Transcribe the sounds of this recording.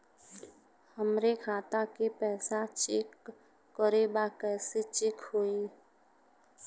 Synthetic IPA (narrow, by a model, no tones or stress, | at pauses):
həmɾekʰaːt̪akepɛːsat͡ʃɪkː | ɔɾebakɛːset͡ʃɪkhoːiː